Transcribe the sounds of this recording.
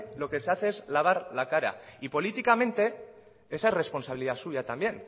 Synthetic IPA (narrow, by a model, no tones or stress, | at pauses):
lo̞ke̞se̞aθe̞ezlaβ̞aɾlakaɾa̰ipo̞lit̪ikamẽ̞nt̪e̞ | e̞sare̞sponsaβ̞iliðasuʝat̪ambje̞n